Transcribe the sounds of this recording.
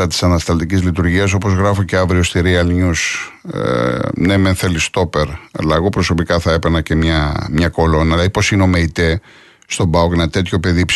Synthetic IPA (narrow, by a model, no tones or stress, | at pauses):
ɐt̪i̥sɐnɐst̪ɐlt̪icizlit̪uɾʝiɐs̬o̞po̞zɣɾɐfoce̞ɐvɾiost̪iɾiɐlɲus | nemenθe̞list̪o̞pe̞ɾɐ̰lɐːɣo̞pɾo̞so̞pikɐθɐe̞penɐce̞mɲɐmɲɐko̞lo̞nɐlɐipo̞sineo̞meit̪e | st̪o̞bɐokenɐt̪e̞t̪ço̞pe̞ðip